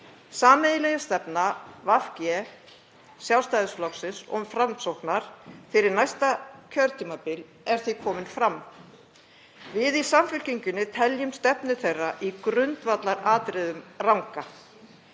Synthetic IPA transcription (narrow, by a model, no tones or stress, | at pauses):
saːmɛðɪlɛjast̪ɛpnavafcjɛ | sjawst̪ajðʏsflɔksɪnsɔ̰fɾamsowhknaɾ̥fɪɾɪɾnajst̪acʰœɾt̪ʰiːmapɪl | ɛɾ̥θikʰɔːmɪnfɾamː | vɪðisamfʏl̥ciɲcʏnʏt̪ʰɛljʏmst̪ɛpnʏθejrːaʔikɾʏnt̪vat̪laɾaːt̪ɾɪðʏmrawŋka